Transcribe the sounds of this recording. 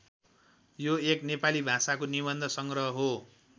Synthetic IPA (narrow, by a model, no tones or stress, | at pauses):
joeknepalibʱãsakoniβʌnd̪ʱʌsʌŋɡrʌɦʌɦo